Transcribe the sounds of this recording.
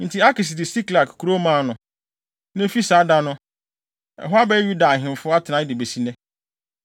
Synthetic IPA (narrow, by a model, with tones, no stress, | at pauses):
n̩˨tʰi˨˦a˦kɪ˨s̬dɪ˨si˦kla˨kkʰːɾo˦mã˦˨nʊ̃˨ | nɛ̃˦fi˦saː˨˦da˦nʊ̃˦ | ɛ̰˨ɦʊ˦a˦bɛ˦ju˦da˨ɦɪ̃˨m˨fʊ˦a˦tʰɪ˨nã˨˦dɪ˨be˨si˨nɛ̃˦